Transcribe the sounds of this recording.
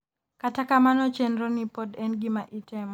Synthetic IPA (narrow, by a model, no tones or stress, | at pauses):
katakamanɔt͡ʃɛnɾɔnipɔdɛnɡimaʔitɛm